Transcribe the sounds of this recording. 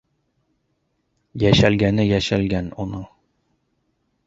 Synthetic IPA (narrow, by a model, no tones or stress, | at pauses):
jæʃælɡænɘjæʃælɡænonɤɴ